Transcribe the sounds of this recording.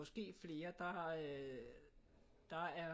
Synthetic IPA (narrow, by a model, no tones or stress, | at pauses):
ɒ̽sɡ̥e̝̰ːfle̝ːɐd̥ɑ̈ | d̥ɑ̈æɐ